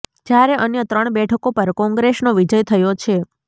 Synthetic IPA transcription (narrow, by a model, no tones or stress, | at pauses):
d͡ʒjaɾeʔənjət̪ɾəɳ̃bɛʈʰəkopəɾkɔ̃ŋɡɾesnoʋid͡ʒəjt̪ʰəjot͡ʃʰe